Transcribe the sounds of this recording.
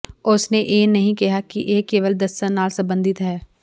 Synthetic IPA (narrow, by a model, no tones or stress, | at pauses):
ʊsneʔeːnɐɦĩkɐɦakiʔeːkeːʋəld̪ɐsːənaːlsɐ̃mbə̃nd̪ɪt̪ɦɛː